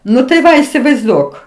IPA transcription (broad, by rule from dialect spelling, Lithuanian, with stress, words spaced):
ˈnʊ tɐɪ ˈʋɐ ɪsʲɪʋɐɪzˈduɔk